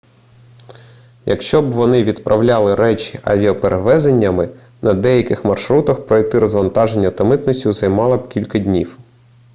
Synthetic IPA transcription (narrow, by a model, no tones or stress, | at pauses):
jɐkʃt͡ʃɔbʋɔnɪʋʲid̪pɾʔɐwlʲɑlˠɪɾɛt͡ʃi̥ʔɐ̰ʋʲiɔpeɾeʋɛzenʲːɐmɪ | nɐd̪ɛjɐkɪxmɐrʃɾut̪ɐxpɾɔjt̪ɪɾɔzʋɐnt̪ɑʒenʲːɐt̪ɐmɪt̪nɔsʲtʲuzɐjmɑlˠɐbkʲilʲkɐd̪ʲnʲiw